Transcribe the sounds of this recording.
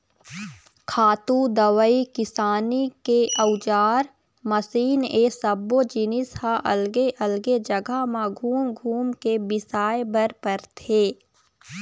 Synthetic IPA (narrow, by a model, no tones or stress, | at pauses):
kʰaːt̪ud̪əwəikɪsaːnikeʔəwʊd͡ʒaːɾ | məsiːneːsəbod͡ʒɪnɪshãʔɐlɡeʔəlɡed͡ʒəɡamãɡʱuːmɡʱuːmkebɪsaːebəɾpəɾt̪ʰeː